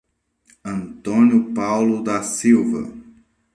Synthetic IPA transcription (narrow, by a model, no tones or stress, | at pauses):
ɐ̃nt̪õnjʊpawlʊd̪ɐsiwvɐ̰